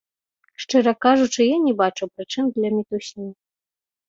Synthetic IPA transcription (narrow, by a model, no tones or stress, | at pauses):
ʂt͡ʂɨɾɐkaʐut͡ʂɨjanʲibat͡ʂuwpɾɨt͡ʂɨmd̪lʲamʲit̪uɕnʲi